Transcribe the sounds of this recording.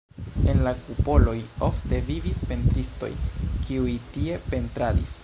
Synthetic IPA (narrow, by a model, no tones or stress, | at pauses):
e̞nlakupo̞lo̞jo̞fte̞vivispe̞ntɾisto̞̰jkiujtie̞pe̞ntɾadḭs